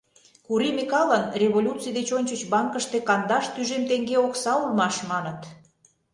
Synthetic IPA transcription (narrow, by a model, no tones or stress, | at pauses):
kuɾimʲikɑlənrʲeβolʲut͡sijd̪et͡ɕonʲt͡ɕət͡ɕbɑŋkəʃt̪ekɑnd̪ɑʃt̪yʒemt̪eŋɡeoksɑulmɑʃmɑnət̪